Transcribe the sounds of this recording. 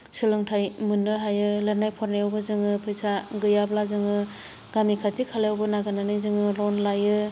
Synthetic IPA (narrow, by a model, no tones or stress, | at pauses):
sɯlɯŋtʰajmɯnːɯɦajɯlaɾnajpʰɔɾneɔwbɯzɯŋɯpʰɯjsaɡɯjablazɯŋɯ | ɡamikʰatikʰalajɔwbɯnaɡɯnanɯjzɯŋɯlɔnlajɯ